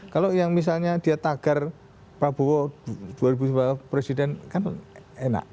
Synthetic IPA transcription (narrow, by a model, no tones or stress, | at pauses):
kalojaŋmis̬alɲad̥iat̪aɡ̥ar | pɾab̥owɔd̥uaɾibusbapɾesidɛnkanena̰ʔ